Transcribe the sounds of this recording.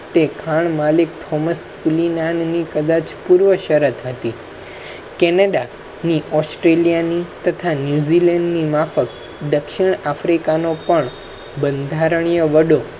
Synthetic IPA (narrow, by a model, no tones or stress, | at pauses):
t̪ekʰaɳmalik̚t̪ʰɔməskulinanːikəd̪at͡ʃpuɾʋəʃəɾət̪ʰɦət̪i | kɛnəɖa | niɔsʈɾelijanit̪ət̪ʰanjuzilɛɳɖnimafək | d̪əkʃɪɳafɾikanopəɳ | bənd̪ʱaɾəɳ̃ijəʋəɽo